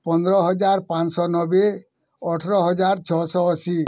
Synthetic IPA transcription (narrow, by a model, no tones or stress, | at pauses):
pɔnd̪ɾɔɦɔd͡ʒaɾpãt͡ʃsɔnɔbe | ɔʈʰɔɾɔɦɔd͡ʒaɾt͡ʃʰɔsɔɔsi